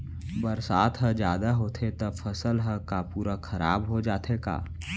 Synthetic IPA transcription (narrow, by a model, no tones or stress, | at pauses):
bəɾsaːt̪ʰɦəd͡ʒjaːd̪aɦoːt̪ʰet̪ɐfʰəsəlɦəkapuːɾakʰɐɾa̰ːbɦod͡ʒaːt̪ʰeka̰ː